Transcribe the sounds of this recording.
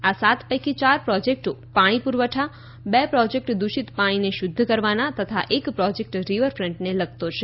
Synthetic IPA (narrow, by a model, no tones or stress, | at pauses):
asat̪ʰpəjkit͡ʃaɾpɾɔd͡ʒek̚ʈopaɽ̃ipuɾʋəʈʰa | bɛpɾɔd͡ʒek̚ʈd̪uʃit̪paɽ̃ineʃʊd̪ʱːəkəɾʋanat̪ət̪ʰa̰ʔekpɾɔd͡ʒek̚ʈɾiʋəɾfɾəɳʈneləɡ̚t̪ot͡ʃʰe